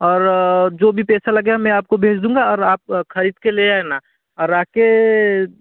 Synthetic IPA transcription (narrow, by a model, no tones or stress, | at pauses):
ɔːɾd͡ʒoːbʱipɛːsalɐɡamɛ̃aːp̚kobʱeːd͡ʒd̪ũːŋɡaɔːɾaːp̚kʰɐɾiːd̪keleaːɛna | ɔːɾaːke